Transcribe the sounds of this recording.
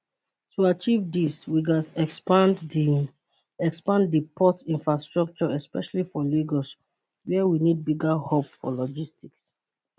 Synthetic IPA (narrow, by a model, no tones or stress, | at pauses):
tuat͡ʃivdiswiɡasɛpãn | ɛkspãndipʰɔtĩnfɹastɹɔk̚t͡ʃɔɛspɛʃalifɔliɡɔs | wɛwinid̚biɡahopfɔ̰lɔd͡ʒistiks